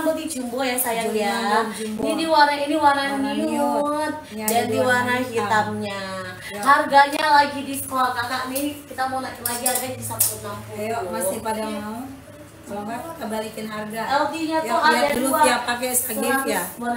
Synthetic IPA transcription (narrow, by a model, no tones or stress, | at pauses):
bud̪id͡ʒumbɔjasajaŋiad͡ʒuinidiwanainiwananint̪̚dandiwanahit̪amɲa | harɡaɲalaɡidisə̥kolakakaʔnikit̪amanaknlaɡiharɡaɲdisampunakjmast̪ipadana | sbakəbalikɪnɦarɡaɛldiɲatuaadaluaiakakɛstaɡɛaja